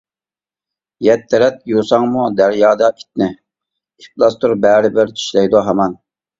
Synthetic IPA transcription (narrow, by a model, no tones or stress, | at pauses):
jɛt̪ʰːɛɾɛt̪̚jusɑŋmud̪æɾjɑːd̪ɑʔi̥t̪̚nɪ | iplˠɑst̪uɾbæːɾɪbɪɾt̪ʰi̥ʃlɛjd̪uɦɑmɑn